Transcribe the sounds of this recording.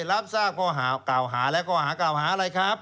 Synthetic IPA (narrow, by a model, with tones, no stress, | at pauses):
ɾa˦˥p̚saː˥˩p̚kʰɔː˧˩ɦaː˩˦kla˨˩wɦaː˩˦lɛ˦˥wkʰɔː˧˩haː˩˦˥klaː˨˩wɦaː˩˦ʔa˧ɾa˧jkʰɾa˦˥p̚